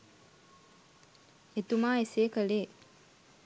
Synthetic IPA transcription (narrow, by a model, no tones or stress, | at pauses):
et̪umaːeseːkəleː